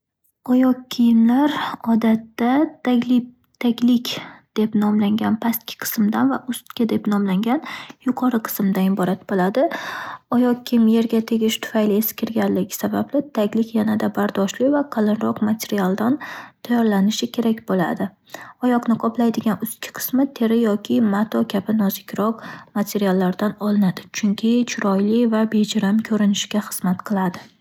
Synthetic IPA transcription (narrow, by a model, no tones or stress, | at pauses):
ɒjɒqkʲʰːijɪmlaɾɒd̪at̪ːat̪akʲlɪ | t̪ʰakʲlɪkʲd̪̥e̞pnɒmlaŋɡʲanpʰast̪̚kʲʰɪ̥qʰɨ̥smd̪anvaʔʊst̪kʲad̪e̞pnɒmlaŋɡʲanjʊqʰɒɾɨqʰɨ̥smd̪anɪbɒɾat̪bolad̪ɪɒjɒqkʰʲijɪmje̞ɾɡʲat̪ʰe̞ɡʲɪʃt̪ʰʊ̥fajlɪeskʲɪɾɡʲanlɪɡʲɪ̥sabablɪt̪ʰakʲlɪkʲjanad̪abaɾd̪ɒʃlɪvaqʰɑlˠɪnɾɒqmat̪ʰe̞ɾijalˠd̪ant̪ʰajɒɾlanɪʃɪkʲʰe̞ɾakʲbola̰d̪ɪ | ɒjɒqnɪqʰɒplˠajd̪ɪɡʲanʊskʲʰɪ̥qʰɨ̥smɪt̪ʰe̞ɾɪjɒkʲʰɪmat̪ʰɒkʲʰabɪnɒzɪkʲɾɒq̚mat̪ʰe̞ɾijalˠːaɾd̪anɒlˠɪnad̪ɪt͡ʃʰʊŋkʲʰɪt͡ʃʰʊɾɒjlɪvabe̞d͡ʒaɾamkʲʰɵɾɪnɪʃɡʲaχɨz̥mat̪qʰɨlˠad̪ɪ